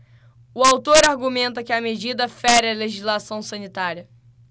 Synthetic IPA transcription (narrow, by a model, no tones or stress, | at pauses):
ʊawt̪oɾaɾɡumẽnt̪ɐkɪɐmed͡ʒid̪ɐfɛɾɪɐleʒizlasɐ̃w̃sɐ̃nit̪aɾiɐ